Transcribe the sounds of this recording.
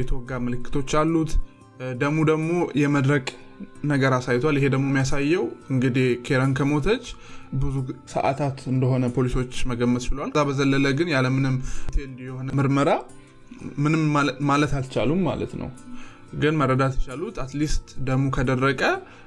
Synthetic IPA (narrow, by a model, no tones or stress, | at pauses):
jɛt̪ʰəwɔɡːamɨlɨkʰːɨ̥t̪ʰo̞t͡ʃːalːut̪ | d̪əɡmud̪əɡmo̞jɛməd̪ɾəkʼ | nəɡəɾasajt̪ʰwalɪɦe̞d̪əɡmo̞mːijasajːɛwʔɨŋɡɨd̪ihkʰe̞ɾənkʰəmo̞t̪ʰət͡ʃːbɨzusə̰ʔa̰t̪ʰat̪ɨnd̪əɦo̞nəpʰo̞liso̞t͡ʃːməɡəmːət̪t͡ʃɪlwalzabəzəlːələɡɨnjaləmɨnɨmːt̪ʰend̪jɛho̞nəmɨɾməɾa | mɨnɨmmalət̪alt͡ʃa̰lumːa̰lə̰t̪nə̰w | ɡɨnmərːəd̪at̪jt͡ʃalut̪at̪list̪d̪əɡmukʰəd̪ərːəkʼə